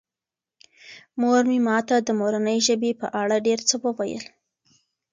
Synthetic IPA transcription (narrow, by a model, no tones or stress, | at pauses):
moɾmimɑt̪ad̪əmoɾanəjʒəbepə̰ʔaɽaɖeɾt͡səwəwajə̰l